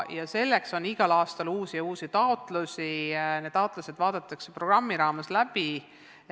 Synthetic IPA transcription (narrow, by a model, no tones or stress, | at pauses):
jɑse̞lːe̞kso̞niɡ̥ɑlɑːst̪ɑluːsijuːsit̪ɑot̪ˑlusined̪ːˑɑot̪ˑlɑse̞d̪̥vɑːd̪̥ɑt̪ːˑɑkse̞pro̞ɡ̥rɑmːiɾɑːmeslæpi